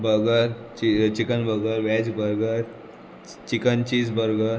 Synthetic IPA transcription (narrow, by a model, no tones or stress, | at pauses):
bəɡəɾt͡ɕit͡ɕikənbʱəɡəɾʋɛd͡zbəɾɡəɾ | t͡ɕikənt͡ɕid͡zbəɾɡəɾ